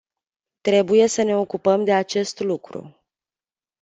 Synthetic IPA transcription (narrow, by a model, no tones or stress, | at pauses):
t̪ɾe̞buje̞səne̞o̞kupəmd̪e̞at͡ʃe̞st̪lukɾṵ